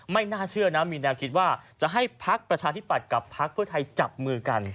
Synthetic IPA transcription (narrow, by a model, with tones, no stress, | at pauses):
ma˥˩jnaː˥˩t͡ɕʰɯ˥˩ɐna˦˥miː˧nɛː˧wkʰi˦˥t̪̚waː˥˩t͡ɕa˨˩ʔɦa˥˩jpʰa˦˥k̚pɾa˧t͡ɕʰaː˧i˦˥pːa˨˩t̪̚ka˨˩pʰːa˦˥k̚pʰɯ˥˩ɐt̪ʰa˧jt͡ɕa˨˩p̚mɯː˧ka˧n